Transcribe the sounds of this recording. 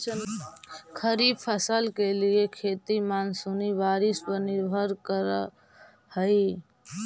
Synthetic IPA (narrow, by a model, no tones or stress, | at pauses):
kʰəɾibpʰəsəlkeliekʰet̪imansuniʋaɾispəɾniɾbʱəɾkəɾ | həi